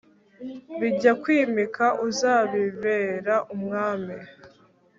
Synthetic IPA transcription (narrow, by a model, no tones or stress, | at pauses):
βiɟakwiːmikʰaʔuzaːβiveɾaʔumŋaːmi